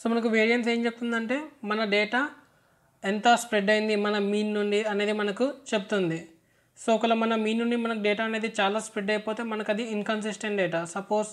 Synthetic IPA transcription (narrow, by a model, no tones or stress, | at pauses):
soːmɐnɐk̬uʋeːɾijɐnse̞ːɲt͡ʃebut̪und̪ɐɳʈe̞ːmɐnɐɖeːʈaː | ent̪ɐspɾeɖːɐjind̪imɐnɐmiːnːuɳɖiɐne̞ːd̪imɐnɐkut͡ʃe̞but̪und̪i | soːkɐlɐmɐnɐmiːnːuɳɖimɐnɐkuɖɛːʈaːne̞ːd̪it͡ʃaːlaːspɾeɖɐjpoːt̪e̞ːmɐnɐkɐd̪iːnkɐns̬isʈeɳʈɖɛːʈaːsɐpoːs